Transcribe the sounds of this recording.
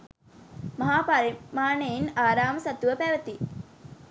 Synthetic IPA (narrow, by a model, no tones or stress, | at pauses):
mɐɦaːpaɾimaːnejinaːɾaːməsɐt̪uʋəpæʋət̪i